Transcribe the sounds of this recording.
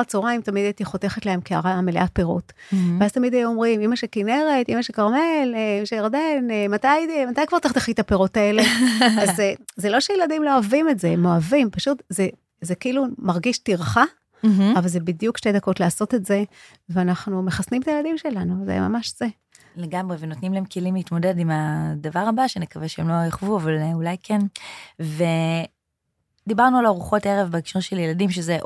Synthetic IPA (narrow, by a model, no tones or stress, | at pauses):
t͡soʁaimtamid̪ajt̪iχot̪e̞χetlehemkia̰ʁamelḛatpeʁotveaz̥t̪amid̪eomʁimimaʃekine̞ʁe̞timaʃekaʁme̞leimaʃejaʁd̪e̞nmatajmat̪ajkvaʁt̪aχt̪eχitapeʁotae̞le̞azezelo̞ʃejeladimloavimetzemo̞avimpaʃut̪ze | zekiʔilumaʁɡiʃtiʁχa | m̩ɦ̩ːvalzebidjukʃte̞jd̪ɐko̞tlaːso̞te̞tze̞ | veanaχnume̞χasnimt̪ajladimʃe̞lanuzḛma̰maʃz̥e | leɡamʁevenotnimlaemkʰelimlit̪mo̞de̞dimad̪avaʁabaʃenekaveʃeemlo̞jaχvuavalulajkʰenve | d̪ibaʁnualaʁuχo̞teʁevbeikʃuʁʃeljeladimʃ̬eze